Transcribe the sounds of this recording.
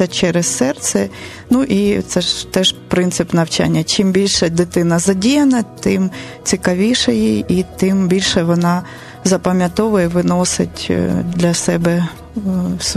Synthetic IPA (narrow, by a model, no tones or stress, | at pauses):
ɐt͡ʃɛɾɛsːɛrt̪sɛ | nuʔit̪sɛʒt̪ɛʒpɾɪnt̪sɪpnɐwt͡ʃa̰nʲːɐt͡ʃimbʲilʲʃɛd̪ɪt̪ɪnɐzɐdʲijɐnɐt̪ɪm | t͡sʲikɐʋʲiʃɐjiit̪ɪmbʲilʲʃɛʋɔnɑ | zɐpɐmʲjɐt̪ɔʋʊjɛʋɪnɔsɪ̰tʲd̪lʲɐsɛbɛ | ws